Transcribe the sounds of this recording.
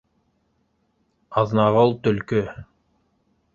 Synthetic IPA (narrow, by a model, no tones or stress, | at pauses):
ɑðnɑʁɤlˠt̪ɵ̆lkɵ